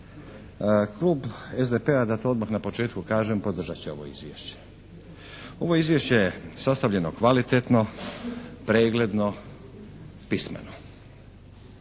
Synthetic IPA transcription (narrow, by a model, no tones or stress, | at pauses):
kluːbezd̪epead̪at̪ood̪maxnapo̞t͡ʃe̞ːt̪kukaːʒempo̞d̪r̩ʒat͡ɕeo̞̰ʋo̞̰ḭzʋjḛʃt͡ɕe̥ | o̞ʋo̞izʋjeʃt͡ɕe̞jesast̪aʋʎe̞no̞kʋalit̪et̪no̞ | pɾeːɡle̞d̪no̞ | pismḛno